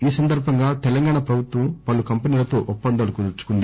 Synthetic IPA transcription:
iːsɐnd̪ɐɾbʱɐŋɡaːt̪ɛlɐŋɡaːɳɐpɾɐbʱut̪ʋɐmpɐlukɐmpɐniːlɐt̪o̞ːʔupːɐnd̪ɐaːlukud̪uɾt͡ʃu̥kund̪i

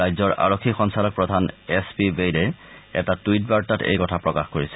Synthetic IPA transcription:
ajzɔɹʔa̰ɹokʰːixɔŋsalɔk̚pɹɔdʱanɛspibejdɛɛ̰tatujt̚baɹtatḛjkɔtʰapɹɔkaxkoɹisɛ̥

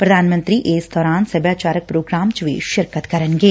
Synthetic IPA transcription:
pɾɐd̪ʱaːnmə̃nt̪ɾiʔeːsd̪ɔːɾaːnsɐbjaːt͡ʃaːɾək̚pɾoːɡɾaːmt͡ʃʋḭːʃɪɾkət̪kɐɾənɡeː

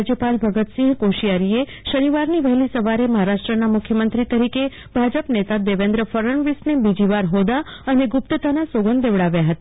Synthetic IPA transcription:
d͡ʒjəpalbʱəɡət̪sĩŋɡkoʃijaɾie | ʃəniʋaɾniʋɛɦlisəʋaɾeməɦaɾaʃʈɾənamʊkʰjəmənt̪ɾit̪əɾike | bʱad͡ʒəpnet̪ad̪eʋẽnd̪ɾəfəɾəɳʋisnebid͡ʒiʋaɾɦod̪aəneɡʊp̚t̪ət̪anasoɡənd̪eʋɽaʋjaɦət̪a

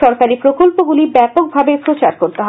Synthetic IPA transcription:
ɔɾkaɾipɾokolpoɡulibɛpok̚bʱabepɾot͡ɕaɾkoɾt̪eɦ

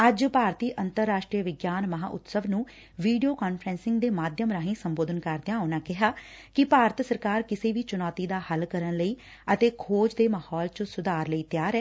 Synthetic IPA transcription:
əd͡ʒpaːɾt̪iːʔənt̪əɾːaːʃʈɾiːəʋɪɡjaːnməɦa̰ːʔʊ̰t̪səʋnũː | ʋiːɖijoːkaːnpʰɾɛ̃ːnsɪ̃ŋɡd̪eːmaːd̪jəmɾaːɦĩːsəmboːd̪ənkəɾd̪ẽãːʊnãːkɪɦaː | kɪpaːɾət̪səɾkaːɾkɪseːʋiːt͡ʃʊnɔːt̪iːd̪aːhəlkəɾənləiː | ət̪eːkʰoːd͡ʒd̪eːmaːhɔːlt͡ʃəsʊd̪aːɾləiːt̪jaːɾɛː

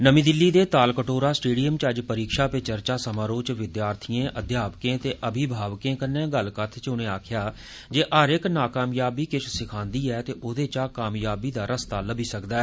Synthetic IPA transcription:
nəmĩːd̪ɪlːiːd̪eːt̪aːlkəʈoːɾaːsʈeːɖijəmt͡ʃəd͡ʒpəɾiːkʃaːpet͡ʃəɾt͡ʃaːsəmãːɾoːt͡ʃʋɪd̪jaːɾt̪ʰijẽːʔəd̪jaːpkẽːt̪eːʔəbʱibʱaːʋkẽːkənːẽːɡəlkət̪ʰt͡ʃʊnẽːaːkʰjaː | d͡ʒeːʔəɾɪknaːkaːmjaːbiːkɪʃʰsɪkʰãːnd̪iːɛːt̪eːʔod̪eːt͡ʃaːkaːmjaːbiːd̪aːɾəst̪aːləbiːsəkd̪aːɛː

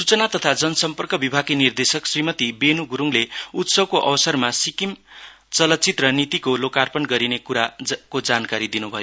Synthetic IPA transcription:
sut͡sʌnat̪ʌt̪ʰad͡zʌnʌsʌmpʌrkʌbibʱaɡinird̪esʌksrimʌt̪ibenuɡuɾuŋleut̪sʌb̚koʔʌbʌsʌrmasikim | t͡sʌlʌt̪̚t͡sit̪rʌnit̪ikolokarpʌnɡʌɾinekuɾakod͡zankaɾid̪inubʱʌjo

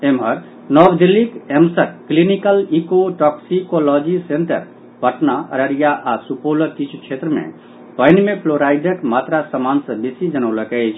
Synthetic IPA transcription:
emɦəɾ | nɔɡd̪ilːikemsəkklinikəlikoʈɔksikolɔd͡ʒisenʈ̪ə̰ɾ | pəʈnaə̰ɾəɾijaʔasupolət̪it͡ʃʰt͡ʃʰet̪ɾəmḛ̃ | pəɪnmepʰloɾajd̪əkmat̪ɾasəmansə̃bisid͡ʒənəʊləkət͡ʃʰ

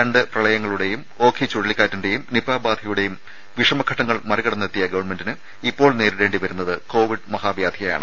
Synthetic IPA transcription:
ɐɳɖɨprɐɭɐjɐŋːɐɭuɽe̞jum | o̞ːkʰit͡ɕuɻiɭikʲːaːtːuɳɖe̞jumnipːaːbaːd̪ʱɐjuɽe̞jum | ʋiʂɐmɐkʰɐʈːɐŋːɐɭmɐɾiɣɐɽɐnːet̪ːijɐɡɐʋɐɳme̞ndinɨ | ipːo̞ːɭneːɾiɾe̞ːɳɖiʋɐɾun̪ːɐðɨko̞ːʋiɖmɐhaːbjaːd̪ʱʰijɐja̰ːɳɨ

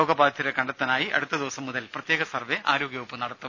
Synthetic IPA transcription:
oːɡɐbaːdɐt̪ːiɾekɐɳɖɐt̪ːɐnaːjiʔɐ̰ɽut̪ːɐd̪iʋɐsɐmːuðɐlprɐt̪jeːɡɐsɐrʋeʔaːɾo̞ːɡʲjɐʋupːɨnɐɽɐt̪ːum

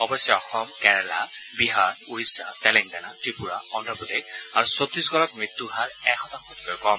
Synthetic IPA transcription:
ɔbɔsjɔɔxɔmkɛɹɛla̰ | biɦaɹuisatɛlɛŋɡanatɹipuɹa̰ɔndɔpudek̚aɹusot̪ɹis̬ɡɔlɔk̚mɹit̪ːuɦaɹɛxɔtaŋxɔti̥kojkɔm

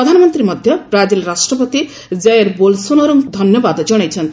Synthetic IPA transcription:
ɾɔd̪ʱanɔmɔnt̪ɾimɔd̪ʱjɔbɾad͡ʒilɾasʈɾɔpɔt̪i | d͡zɛeɾbolsunɔɾuŋd̪ʱɔnjɔbad̪ɔd͡ʒɔɽ̃ajt͡ʃʰʌnt̪

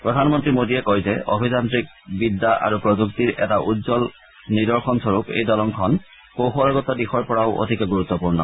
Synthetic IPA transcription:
pɹɔdʱanmɔntɹimodiɛkojzɛ̰ʔo̰bʱizantɹik̚bidːaʔa̰ɹupɹozuktiɹʔɛ̰taʔudzɔl | nidɔɹxʰɔnsɔɹupḛjdɔlɔŋkʰɔn | kowxɔɹaɡɔtɔdixɔɹpɔɹaʊʔo̰dʱikɔɡuɹut̪ːɔpuɹnɔ̰

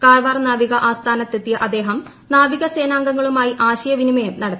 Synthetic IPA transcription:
kaːrʋaːrnaːʋiɣɐʔaːst̪ʰaːnɐt̪ːet̪ːijɐʔɐd̪e̞ːɦɐm | naːʋiɣɐseːnaːŋɡɐŋːɐɭumaːjiʔaːɕɐjɐʋinimɐjɐmnɐɽɐt̪ː

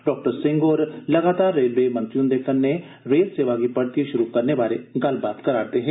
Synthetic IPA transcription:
ɖɔːk̚ʈəɾsɪ̃ŋɡoːɾlɐɡaːt̪aːɾːeːlʋeːmɐ̃nt̪ɾiũnd̪ekənːe | ɾeːlseːʋaːɡipɐɽt̪iʃʊɾukɐɾneʋaːɾeɡɐlbaːt̪kɐɾaːɾt̪eɦɛ̃ː

